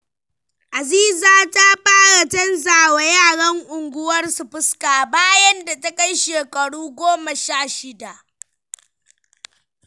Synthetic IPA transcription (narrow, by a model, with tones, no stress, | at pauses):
ʔa˨ziː˦zaː˨ta˦ɸaː˦ɽa˨tɐ˦nzaː˨wa˦jaː˦˨ɽɐ˦ŋʔʊ˨ŋɡʷʊ˦wɐ˦rsu˨ɸɪ˦skaː˨baː˦jɐ˦nda˨tɐ˦ka˦jʃeː˨kʼɐ˨ɽuː˦ɡʷoː˦mɐ˨ʃaː˦˨ʃɪ˦da˨ʔ